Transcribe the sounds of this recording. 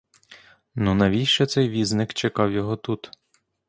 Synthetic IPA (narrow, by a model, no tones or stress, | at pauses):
nunɐʋʲijʲʃɛt̪sɛjʋʲiznɪkt͡ʃekɑwjɔɦɔt̪ut̪